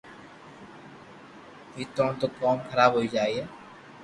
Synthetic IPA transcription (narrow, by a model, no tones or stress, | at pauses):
iːt̪ɾõːɳt̪oːkɔːmkʰəɾaːbɦoːiːd͡ʒaːiɦɛː